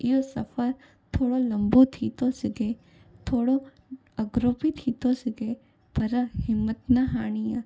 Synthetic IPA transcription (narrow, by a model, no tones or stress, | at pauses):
joːsɐfəɾ | t̪ʰoːɽolɐmbot̪ʰiːt̪õsɪɡeː | t̪ʰoːɽo | ɐɡɾoːpit̪ʰiːt̪õsɪɡe | pɐɾɐɦɪmːət̪naɦaːɳija